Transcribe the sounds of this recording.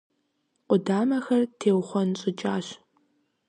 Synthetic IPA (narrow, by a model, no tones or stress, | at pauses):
qʷʼʊdaːmɐxɐrtʰeːwχʷɔnɕʼɪt͡ʃʼaːɕ